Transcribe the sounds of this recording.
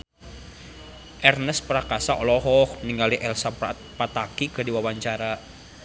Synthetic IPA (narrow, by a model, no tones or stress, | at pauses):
ʔɛrnəspɾakasaʔɔlɔɦɔhniŋɡaliʔɛlsapat̪̚pat̪akikədiwawaɲt͡ʃaɾa